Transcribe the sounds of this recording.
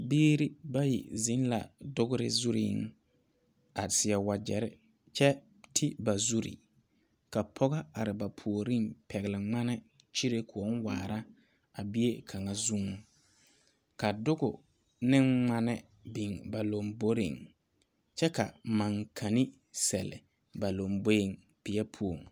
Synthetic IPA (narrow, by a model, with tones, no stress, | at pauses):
biː˦ɾi˦ba˦jḭ˨zɪ˦n˦la̰˨dʊ˦ɣʊ˦ɾɪ̰˦zu˦ɾḭ˦ŋ | a˨sɪ˨ɛ˨wa˨d͡ʒɛ˨ɾɪ̰˦ | t͡ʃɛ˦ | tʰɪ˦ba˨zu˦ɾḭ˨ | ka˨pʰɔ˦ɣa˦a˨ɾɪ˨ba˨pʰu˨o˨ɾi˦mpʰɛ˨ɣɪ˨lɪ˨ŋ͡ma˦nɪ˦ | t͡ʃi˦ɾe˦kʰʊ˨ɔ˦nwaː˨ɾa˦ | a˨bi˦e˦kʰa˨ŋa˨zu˦ŋu˨ | ka˨dʊ˦ɡʊ˨ | nɪ˦ŋŋ͡ma˦nɪ˦ | bi˨ŋba˨lo˨mbo˦ɾɪ̰˨ŋ | t͡ʃɛ˦ka˨ma˨ŋkʰa˨ni˦ | sɛ˨lɪ̰˨ | ba˨lo˨mbo˦jɪ˦ŋ | pɪ˨ɛ˦pʰu˦o˨ŋ